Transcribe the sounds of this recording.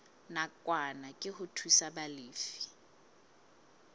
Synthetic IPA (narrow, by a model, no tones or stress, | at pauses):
nakʼwanakʼɪhʊtʰwisabaliːfi̥